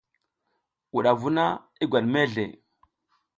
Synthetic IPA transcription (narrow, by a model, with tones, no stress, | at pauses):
wu˨ɗa˨vu˦na˦ | i˦ɡʷa˨ɗme˦ɮḛ˨